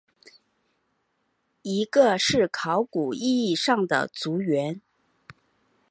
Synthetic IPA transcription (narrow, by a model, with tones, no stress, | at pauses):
i˧˥ɡə˧ʂɻ̩˥˩kʰɑ˧˥ʊku˨˩i˥˧i˥˧ʂɑ˥˩ŋd̪ə̰˩t͡su˧˥ɥɛ˧˥n